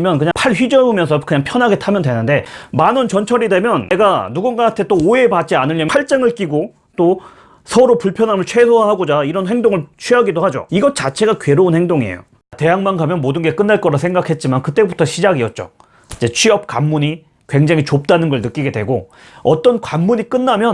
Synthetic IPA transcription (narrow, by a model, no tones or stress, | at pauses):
mjʌnkɯɲapʰaɭɸɥid͡ʑʌɯmjʌnsʰʌkɯɲaŋpʰjʌnɦaɡe̞tʰamjʌndwe̞nɯnde̞manɯnt͡ɕʌnt͡ɕʰʌɾide̞mjʌneɡanuɡunɡaantʰe̞t͈oːe̞pat̚t͡ɕ͈ianɯʎːʌmʰaɭt͡ɕ͈eŋɯɭk͈iɡo | t͈o | sʰʌɾopuɭpʰjʌnɦamɯɭt͡ɕʰwe̞sʰoaɦaɡod͡ʑaiɾʌnɦe̞ŋdoŋɯɭt͡ɕʰɥiɦaɡidohad͡ʑo̰iɡʌt͡ɕat͡ɕʰe̞ɡakɥe̞ɾounhe̞ŋdoŋiḛjo̰ | te̞jaŋmanɡamjʌnmodɯnɡe̞k͈ɯnːaɭk͈ʌɾasʰe̞ŋɡakʰe̞t̚t͡ɕ͈imankɯt͈e̞butʰʌɕʰid͡ʑaɡiʌt̚t͡ɕ͈o̰ | id͡ʑe̞t͡ɕʰɥiʌp̚k͈amːuɲi | kwe̞ŋd͡ʑaŋit͡ɕop̚t͈anɯnɡʌɭnɯk͈iɡe̞dwe̞̰ɡo | ʌt͈ʌnkwamːuɲik͈ɯnːamjʌ